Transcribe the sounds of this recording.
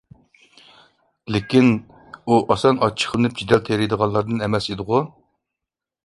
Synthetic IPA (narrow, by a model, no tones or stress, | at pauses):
lɪkʲin | uʔɑsɑnɑt͡ʃʰə̥χʰəlˠɨnɨp̚d͡ʒid̪ɛlt̪ʰeɾijd̪əʁɑnlˠɑɾd̪ɨnɛmɛsid̪ɨʁʊ